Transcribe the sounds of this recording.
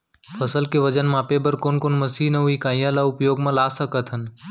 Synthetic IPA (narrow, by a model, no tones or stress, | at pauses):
pʰəsəlkeʋəd͡ʒənmãːpebəɾkoːnkoːnməsinɐɦuikaːjãlaʊpjoːɡmãlaːsəkət̪ɦən